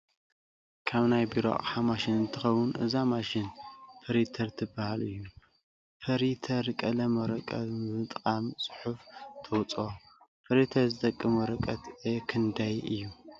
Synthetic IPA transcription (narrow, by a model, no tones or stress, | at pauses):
kʰaβnajbiɾo̰a̰ʔʼħamaʃɪnɨnt̪ʰɨxɐwʊnʔɨ̰zamaʃɪnfʰɐɾit̪ʰɐɾt̪ʰɨbahalɨ̰jːu | fʰɐɾit̪ʰɐɾkʼɐlɐmɐɾɐkʼɐ̰mɨt̪ʼqʼamsʼɨ̥ħuft̪ʰɐwt͡sʼo | fʰɐɾit̪ʰɐɾzɨt̪ʼɐkʼːɨmuɾɨkʼɐt̪ɐkʰɨnd̪ajɨjːu